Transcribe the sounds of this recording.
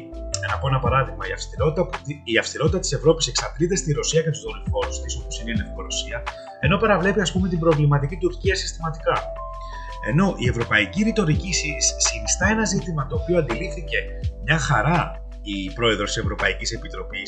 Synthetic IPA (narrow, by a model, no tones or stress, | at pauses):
nɐpo̞enɐpɐɾɐðiɣmɐiɐfst̪iɾot̪it̪ɐiɐfst̪iɾo̞t̪it̪ɐt̪i̥se̞vɾo̞pise̞ksɐt̪lit̪e̞st̪iɾo̞siɐcet̪uzðollfo̞ɾst̪isoposineinefkoɾo̞siɐ | e̞no̞pɐɾɐvle̞piɐspume̞t̪ibɾo̞vlimɐt̪̬icit̪uɾciɐsi̥st̪imɐt̪ikɐ | e̞no̞ʔie̞vɾo̞pɐiciɾit̪o̞ɾicisissinist̪ɐe̞nɐzit̪imɐt̪o̞ːpio̞ɐnd̪iliθice̞ | mɲɐxɐɾɐ | ipɾo̞e̞ðɾot̪ise̞vɾo̞pɐicise̞pit̪ɾo̞pis